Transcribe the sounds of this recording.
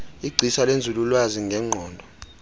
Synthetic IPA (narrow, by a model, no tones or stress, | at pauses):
iɡ͡ǀʱisalend͡zʱululwaziŋɡʱɛŋ͡ǃʱɔːndʱɔ